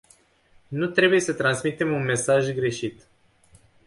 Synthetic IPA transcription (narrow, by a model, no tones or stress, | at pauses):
nut̪ɾe̞buje̞sət̪ɾansmit̪e̞munme̞saʒɡɾe̞ʃit̪